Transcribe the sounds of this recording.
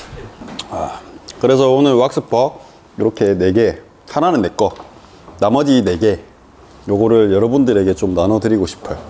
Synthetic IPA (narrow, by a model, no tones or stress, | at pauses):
akɯɾe̞sʰʌonɯɭwak̚s͈ɯp͈ʰʌ | iɾʌkʰe̞ne̞ɡe̞ | hananɯnːe̞k͈ʌ | namʌd͡ʑine̞ɡe̞ | joɡʌɾɯɭjʌɾʌbundɯɾe̞ɡe̞t͡ɕomnanʌdɯɾiɡoɕʰi̥pʰɯjo